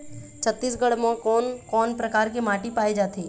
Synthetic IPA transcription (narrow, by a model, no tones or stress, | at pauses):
t͡ʃʰət̪ːiːsɡəɽmãkɔːnkɔːnpɾɐkaːɾkimaːʈipaːid͡ʒaːt̪iː